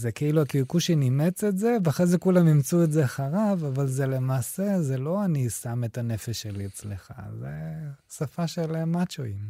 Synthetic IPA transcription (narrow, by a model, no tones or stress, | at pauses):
zekeiluakikuʃenimet͡setzeveaχʁezekulamimt͡suetzeaχaʁavavalzele̞maːsezelo̞anisame̞tane̞feʃːeliet͡sleχa̰zesafaʃelmat͡ʃoim